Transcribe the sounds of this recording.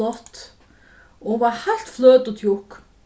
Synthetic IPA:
ɔht̪ | owahaɬt̪fløːt̪ət̪jʊhk

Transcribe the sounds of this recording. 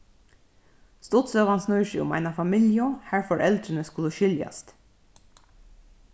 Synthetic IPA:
st̪ɔt̪søːʋɑnsnœʏʃḭːʊ̰mæ̰ɪnɑfɑmɪljɔhæːɹfɔɹʔɛld̪ɾənəskʉləʃʏljɑ̰st̪

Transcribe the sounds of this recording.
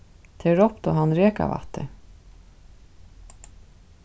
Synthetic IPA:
t̪ʰɛɾɔpt̪ɔɦanɾɛːka̰va̰ht̪ːɪ

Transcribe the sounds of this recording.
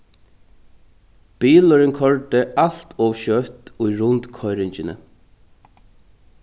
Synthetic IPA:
b̥iːlɔɾɪnkʰɔɹd̪ɪʔal̥t̪ʰɔːʋʃœt̪ʊjɾʊnt̪kʰɔjɾɪɲt͡ʃɪnə̰

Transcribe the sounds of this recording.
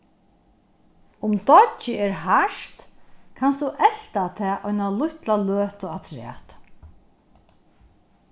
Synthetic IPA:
ʊmt̪ɔɪɛɾɦaʂt̪kʰanst̪uʔɛl̥t̪at̪ʰɛːʔɔjnalʊht̪laløːt̪ʊat̪ʰɾɛ̰ːht̪

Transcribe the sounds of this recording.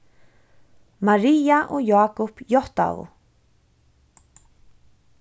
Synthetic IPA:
maɹiːaʔɔjaːkʊpjɔht̪a̰vʊ̰

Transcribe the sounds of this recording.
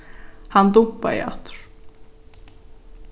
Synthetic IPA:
hand̪upːa̰ɪ̰a̰t̪ɾ̥

